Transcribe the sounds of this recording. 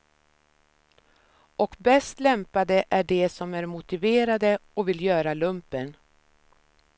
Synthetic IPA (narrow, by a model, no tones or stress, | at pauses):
ɔkbɛst̪lɛmpad̪əʔæɖɛsɔmæɾmʊt̪ɪveːɾad̪əɔkvɪljœːɾalɵmpən